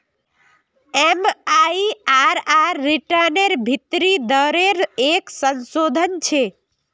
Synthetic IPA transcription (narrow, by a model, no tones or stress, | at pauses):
emaiaɾaɾːiʈəneɾbʱit̪ɾid̪əɾeɾeksənsoːd̪ʱənt͡ʃʰe